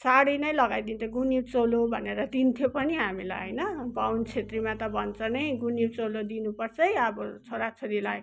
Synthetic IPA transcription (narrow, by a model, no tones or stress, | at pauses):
saɽinʌjlʌɡajd̪int̪ʌɡunit͡solobʱʌ̰neɾʌd̪int̪ʰjopʌniɦamila̰jɦʌjnʌbawnt͡sʰet̪rimat̪ʌbʱʌnt͡sʌnʌjɡunibt͡solod̪inupʌrt͡sʰʌjʌbʌt͡sʰoɾat͡sʰoɾilaj